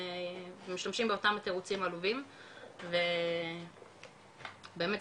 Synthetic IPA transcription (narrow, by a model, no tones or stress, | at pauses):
miʃlamʃimbeo̞tamat̪eʁut͡simaluvimve | be̞ːme